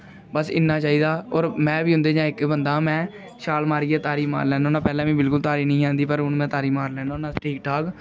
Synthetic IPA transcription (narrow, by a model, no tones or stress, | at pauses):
bəsɪ̰nːaːt͡ʃaːiːd̪aːɔːɾmɛ̃ːʋiːɦʊ̃nd̪eːd͡ʒãːɪkbənd̪aːmɛ̃ː | ʃaːlmaːɾiːeːt̪aːɾiːma̰ːɾlɛ̃ːnoːnãːpɛːlɛ̃ːʋĩːbɪlkʊlt̪aːɾiːnəĩːãːnd̪iːpəɾʊnmɛ̃ːt̪aːɾiːmaːɾlɛ̃ːnanãːʈʰiːkʈʰaːk